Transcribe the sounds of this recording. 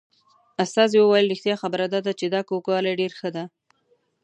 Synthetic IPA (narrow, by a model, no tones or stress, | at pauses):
ast̪ɑzewəwajəlɾixt̪jɑxabəɾad̪ɑd̪at͡ʃed̪ɑkokɑlaɖeɾxəd̪a